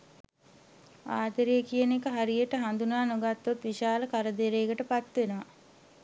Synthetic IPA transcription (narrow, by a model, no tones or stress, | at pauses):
a̰ːt̪əɾijəkijənekəɦaɾijəʈəɦand̪unaːnoɡat̪ːot̪ʋiʃaːləkaɾəd̪eɾeːɡəʈəpat̪ːʋenəʋa